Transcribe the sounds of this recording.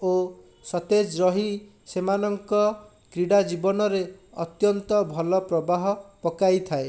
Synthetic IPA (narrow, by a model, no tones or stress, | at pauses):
o | sɔt̪ed͡ʒɾɔɦi | semanɔŋkɔ | kɾiɽad͡ʒibɔnɔɾeɔt̪jɔnt̪ɔbʱɔlɔpɾɔbaɦɔpɔkajt̪ʰae